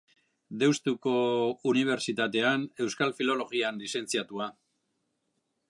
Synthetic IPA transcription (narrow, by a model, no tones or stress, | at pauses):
d̪e̞wst̪uko̞uniβ̞e̞ɾt͡ʃit̪at̪e̞ane̞wskalfilo̞lo̞ɣ̞ianlise̞nt͡siat̪ua